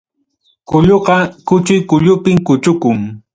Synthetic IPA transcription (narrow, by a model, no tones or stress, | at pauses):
kʊʎoqɑkʊt͡ʃʊjkʊʎʊpɪmkʊt͡ʃʊkʊŋ